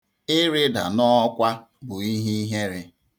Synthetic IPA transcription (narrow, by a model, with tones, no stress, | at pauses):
ɪ˦ɾɪ˦da̰˨nɔ˦kʷa˦ | bʊ˨i˦ɦi˦ɦe˦ɾɪ˦